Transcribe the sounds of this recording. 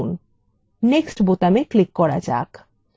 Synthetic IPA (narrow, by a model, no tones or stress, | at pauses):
n | neksʈbot̪ameklikːɔɾa̰d͡ʑa̰k